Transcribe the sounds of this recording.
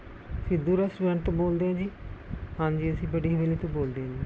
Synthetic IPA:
sɪd̪uːɾɛsɛ̃ːɳʈt̪õboːld̪eːɦãːd͡ʒiːhãːɲd͡ʒiːəsĩːbəɖiːɦeːliːt̪õːboːld̪eːɦãːd͡ʒiː

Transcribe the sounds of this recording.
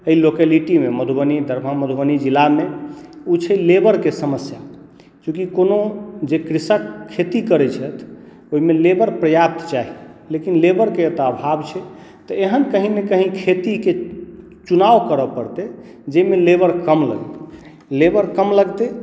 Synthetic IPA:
əilokeliʈimeməd̪ʱubənid̪ʱəɾbʱaməd̪ʱubənid͡ʒilameut͡ʃʰəlebəɾkesəməsja | t͡ʃũkikonod͡ʒekɾisəkkʰːet̪ikəɾɛt͡ʃʰɛt̪ʰ | oɦimelebəɾpɾəjap̚t̪t͡ʃaɦilekinlebəɾkeət̪əbʱabt͡ʃʰɛ | t̪ɔeɦənkəɦinekəɦĩkʰet̪ike | t͡ʃunaʋkəɾəpəɾt̪e | d͡ʒemelebəɾkəmlə̰ɡ | lebəɾkəmləɡt̪e

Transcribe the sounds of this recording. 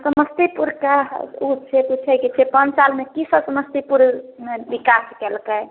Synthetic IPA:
səməst̪ipuɾkaut͡ʃʰep̪ut͡ʃʰɛjkit͡ʃʰepənd͡ʒsalmekisəbsəməst̪ipuɾbikaskɛlkə

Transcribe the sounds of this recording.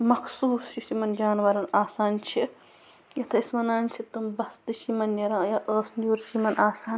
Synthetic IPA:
mɐkʰsuːsjuʃimɐnd͡ʒaːnʋɐɾɐnaːsaːnt͡ʃʰi | jɐt̪ʰɐismɐnaːnʲt͡ʃʰit̪umbɐsd̪ɨʃimɐnːɐɾãːjɐʔəːsnjuːɾʃimɐnʔaːsaːn

